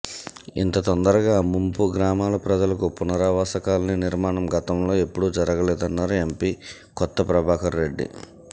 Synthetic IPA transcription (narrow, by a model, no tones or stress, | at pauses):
ḭnt̪ɐt̪ɔnd̪ɐɾɐɡaːmumpuɡɾaːmaːlɐpɾɐd͡ʒɐlɐkupunɐɾaːʋaːsɐkaːlɐniniɾmaːɳɐmɡɐt̪ɐmlo̞ːe̞pːuɽud͡ʒɐɾɐɡɐlɛːd̪ɐnːaːɾue̞mpiː | kɔt̪ːɐpɾɐbʱaːkɐnɾe̞ɖːḭ